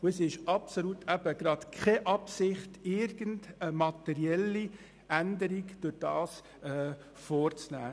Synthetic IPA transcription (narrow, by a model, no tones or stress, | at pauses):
ʊəsɪʃɑpsolutʰæb̥əɡ̥ɾɑt̪kʰχɛʔɑpsɪχtɪɾɡəntəmɑtɛɾiɛlːi | ʔændəɾiɡd̥ʊɾd̥ɑːs | ɛː | foːɾt͡snæː